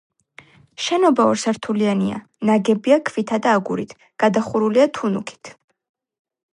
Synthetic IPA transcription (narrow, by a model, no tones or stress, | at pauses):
ʃɛnɔbaɔɾsaɾt̪ʰuliania̰ | naɡɛbiakʰv̥it̪ʰad̪aːɡuɾit̪ʰ | ɡ̥ad̪aχuɾuliat̪ʰunukʰi̥t̪ʰ